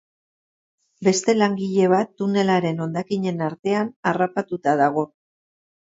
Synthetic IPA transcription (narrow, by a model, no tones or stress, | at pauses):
be̞st̪e̞laŋɡiʎe̞β̞at̪ːune̞laɾe̞no̞nd̪akiɲe̞naɾt̪e̞anarapat̪ut̪aðaɣ̞o̞